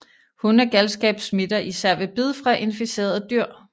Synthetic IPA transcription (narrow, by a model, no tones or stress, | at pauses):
hunæɐɡ̥ælsɡ̥ɛ̰ːb̥smid̥ɐʔisæɐ̰ʋe̝b̥iðˠfʁɑ̈ʔe̝nfise̝̰ːɐð̩ˠd̥yɐ̰